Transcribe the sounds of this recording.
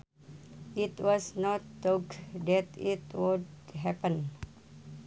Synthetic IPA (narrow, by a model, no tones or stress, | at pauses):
itwɔsnɔtːokd̪ɛt̪itwudɦɛpə̃n